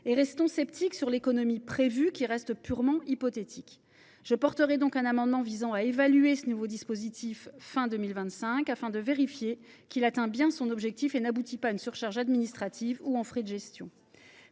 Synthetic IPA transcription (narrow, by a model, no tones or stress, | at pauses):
eʁɛst̪ɔ̃sɛpt̪iksyʁlekɔnɔmipχevykʲiʁɛst̪pyʁmɑ̃ʔipɔt̪et̪ʰik | ʒ̥əpɔʁt̪əʁɛd̪ɔ̃kɛ̃namɑ̃d̪mɑ̃vizɑ̃aevalyesənuvod̪ispozit̪ʰifːɛ̃d̪əmilvɛ̃t̪sɛ̃kafɛ̃d̪əveʁifje | kilat̪ɛ̃bjɛ̃sɔ̃nɔbʒɛk̚t̪ifenabut̪ipaynsyʁʃaʁʒad̪minist̪χat̪ʰivuɛ̃fχed̪əʒɛst̪jɔ̰̃